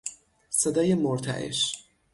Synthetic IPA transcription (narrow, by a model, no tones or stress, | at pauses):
sed̪ɒːjemoɾt̪ʰæ̰ʔḛʃ